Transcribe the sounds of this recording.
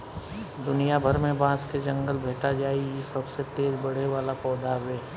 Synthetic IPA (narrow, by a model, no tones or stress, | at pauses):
d̪ʊnijabʱɐɾmẽbãːsked͡ʒɐ̃ŋɡəlbʱeːʈad͡ʒaːiisɐbset̪eːɾbɐɽ̤eʋaːlapɔːd̪aʋeː